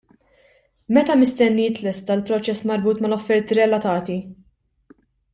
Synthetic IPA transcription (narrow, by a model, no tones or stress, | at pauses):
mɛt̪ɐmɪst̪ɛnːijɪt̪lɛst̪ɐlpɾɔt͡ʃɛsːmɐɾbuːt̪mɐlɔfːɛɾt̪iɾɛlɐt̪ɐːt̪i